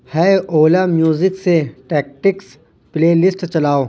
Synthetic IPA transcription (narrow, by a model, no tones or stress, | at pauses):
hɛʔoːlamjuːzɪkseʈɛːk̚ʈɪks | pleːlɪsʈt͡ʃɐlaːoː